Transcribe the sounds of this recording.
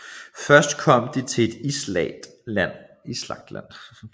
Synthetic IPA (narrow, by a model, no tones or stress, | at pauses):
fɶɐsd̥kʰɒ̽m̰d̥it͡sʰe̝e̝d̥islɛ̰d̥æn̰ | islɑ̈ɡ̥̚d̥læn̰